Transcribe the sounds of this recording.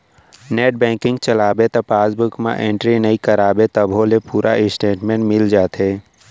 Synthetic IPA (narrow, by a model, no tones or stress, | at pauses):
neːʈ̚bɛ̃ːŋkɪ̃ŋɡt͡ʃəlaːbet̪ɐpaːsbʊkmã̰ʔẽːɳʈɾinəikəɾaːbet̪əbʱõlepuːɾʔaɪsʈeːʈmẽːɳʈmɪld͡ʒaːt̪ɦeː